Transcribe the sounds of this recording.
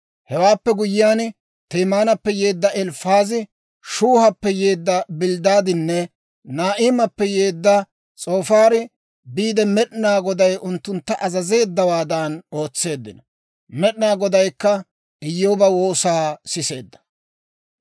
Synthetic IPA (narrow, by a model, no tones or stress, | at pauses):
hɛwaːpːɛɡʊjɪjaːn | t̪eːmaːnɐpːɛje̞ːd̪ːɐʔɛlfaːzɪ | ʃuːhɐpːɛje̞ːd̪ːɐbɪld̪aːd̪ɪnːɛ | naːʔɪːmɐpːɛjeːd̪ːɐ | t͡sʼo̞ːfaːɾɪ | biːd̪ɛmɛɗnaːɡɔd̪ɐjʔʊnt̪ːʊnt̪ːɐʔɐzɐze̞ːd̪ːɐwaːd̪ɐno̞ːt͡sːe̞ːd̪ːɪ̰nɐ | mɛɗnaːɡɔd̪ɐjkːɐ | ɪjːoːbɐwoːsaːsɪse̞ːd̪ːɐ̥